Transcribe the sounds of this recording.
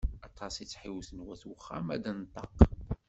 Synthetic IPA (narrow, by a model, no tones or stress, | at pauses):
ɑt̪ˤʰːɑsˤit͡sːħiwθənwæθwəχːæ̰mæd̪ænt̪ˤːɑq